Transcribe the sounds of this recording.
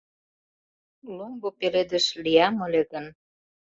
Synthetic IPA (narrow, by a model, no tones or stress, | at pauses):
lumɡopeled̪əʃlijɑməleɣən